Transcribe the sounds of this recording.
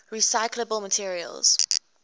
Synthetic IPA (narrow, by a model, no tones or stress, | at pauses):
ɹisaɪkʰləbəlˠmətʰiəɹiə̰lˠz̥